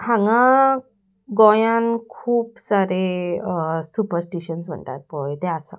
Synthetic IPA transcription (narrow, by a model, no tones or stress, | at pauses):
hãŋɡã | ɡɔ̃jankʰuːpsaɾe | supəɾsʈiɕənsm̤ə̰ɳt̪a̰t̪̚pɔjt̪easã̰